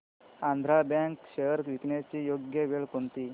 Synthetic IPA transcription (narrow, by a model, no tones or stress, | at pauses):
ãnd̪ʱɾabjãŋkɕejəɾkʋikɳjat͡ɕijoɡjəʋeɭkont̪iː